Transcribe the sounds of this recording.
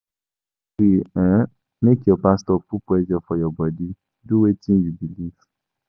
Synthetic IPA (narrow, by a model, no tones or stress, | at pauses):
wiã | mekiɔpastɔpupuɛd͡ʒɔfɔjɔɡ͡bɔdi | duwetĩn̩jubilif